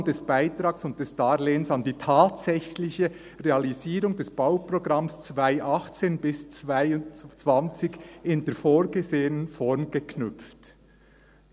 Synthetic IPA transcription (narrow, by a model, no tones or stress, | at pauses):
ŋdɛsb̥aɪtɾɑːksʊnt̚d̥ɛsd̥ɑːɾleːənsɑndiːtʰaːtsɛçlɪçə | ʁeɑliziːɾʊŋdɛsb̥aʊpʁoɡʁɑmst͡svaɪʔɑχt͡seːnbɪst͡svaɪʊnt͡sv̥ɑnt͡sɪɡɪnd̥eːfoːɾɡ̥əzeːənənfɔɾmɡ̥əkʰnʏpp͡ft